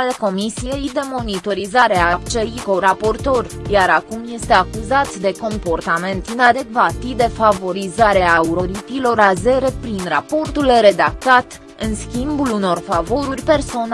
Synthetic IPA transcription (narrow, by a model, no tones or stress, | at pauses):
alko̞misije̞jd̪e̞mo̞nit̪o̞ɾizaɾe̞apt͡ʃe̞iko̞ɾapo̞rt̪o̞rjaɾakumje̞st̪e̞akuzat̪d̪e̞ko̞mpo̞rt̪ame̞nt̪inad̪e̞ɡvat̪id̪e̞favo̞ɾizaɾeauɾo̞ɾip̪ilo̞ɾaze̞ɾe̞pɾinrapo̞rt̪ulɾe̞d̪ak̚t̪at̪ | ɨnskʲimbuluno̞rfavo̞ɾurʲpe̞rso̞n